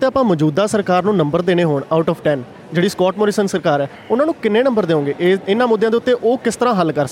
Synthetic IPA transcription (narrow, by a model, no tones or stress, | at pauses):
t̪eːəpãːmɔːd͡ʒuːd̪aːsəɾkaːɾnũːnəmbəɾd̪eːɽ̃eːɦoːɳaːʊʈɔːpʰʈɛːn | d͡ʒeːɽiːskɔːʈmoːɾiːsənsəɾkaːɾɛː | ʊnãːnũːkɪnːeːnə̃mbəɾd̪eːõːɡeːʔɪnːãːmʊd̪ʱːj̃ːd̪eʊt̪ːeːʔoːkɪst̪əɾãːɦəlkəɾsə